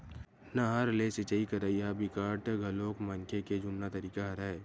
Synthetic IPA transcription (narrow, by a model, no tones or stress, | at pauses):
nɐɦəɾlesɪt͡ʃaikɐɾaijabɪkaːʈɡʱɐloːkmɐŋkʰeked͡ʒʊnːat̪ɐɾiːkaɦɐɾae